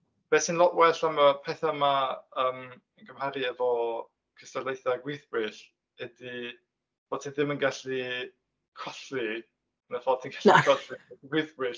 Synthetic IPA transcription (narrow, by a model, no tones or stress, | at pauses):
b̥ɛːstʰinlˠɔʔwɛɬamapʰɛθamaəːm | ənɡəmhaɾiɛvɔ | kʰɪstalˠejθaɡwɪθbwɨɬ | hɛdi | b̥o̥ːtʰinðɪmənɡaɬi | kʰɔɬi | nəfɔtʰinɡaɬikʰɔɬiɡwɪθb̥wɨɬ